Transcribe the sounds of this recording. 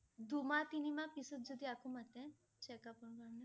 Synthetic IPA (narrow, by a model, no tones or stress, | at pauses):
d̪umat̪inimãpisɔt̪̚d͡ʒod̪iakumat̪ɛ̃ | t͡ʃɛkapɔɳkaɾne